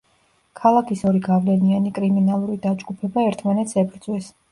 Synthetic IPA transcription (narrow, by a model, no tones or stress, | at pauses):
kʰalˠakʰisɔɾiɡavlɛnianikʼɾiminalˠuɾid̪ad͡ʒɡupʰɛbaɛɾt̪ʰmanɛt̪sʰɛbɾd̪zʼwɛs